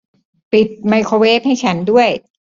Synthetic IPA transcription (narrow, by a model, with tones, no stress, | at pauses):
pi˨˩t̪̚ma˧jkʰoː˧weː˦˥p̚ha˥˩jt͡ɕʰa˦˥ndu˥˩əj